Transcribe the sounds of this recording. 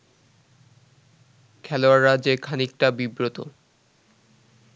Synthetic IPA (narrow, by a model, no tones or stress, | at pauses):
kʰɛloaɾːad͡ʑeɾkʰanik̚ʈabibɾot̪o̰